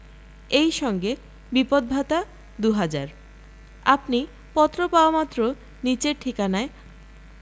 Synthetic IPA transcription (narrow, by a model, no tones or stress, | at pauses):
ejʃɔŋɡe | bipod̪̚bʱat̪a | d̪uɦad͡ʑaɾ | apni | pɔt̪ɾopaoomat̪ːɾo | nit͡ɕeɾʈʰikanae